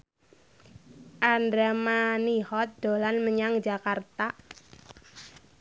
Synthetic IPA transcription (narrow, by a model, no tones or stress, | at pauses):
ʔandɾɛmanihɔt̪̚d̪̥o̤lanməɲaŋd͡ʒakart̪a